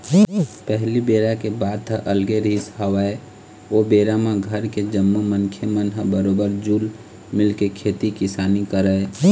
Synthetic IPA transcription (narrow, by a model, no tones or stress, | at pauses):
pəɦlibeːɾakebaːd̪̚t̪ʰəʔəlɡeɾisɦəwə | obeɾamẽɡʱəɾked͡ʒəmːumənkʰemənɦəbəɾoːbəɾd͡ʒuːl | mɪlkekʰet̪ikɪsaːnikəɾəe